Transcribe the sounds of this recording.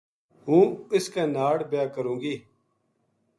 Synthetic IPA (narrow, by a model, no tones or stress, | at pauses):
ɦũːɪskaːnaːɽbɪjaːkəɾũːɡiː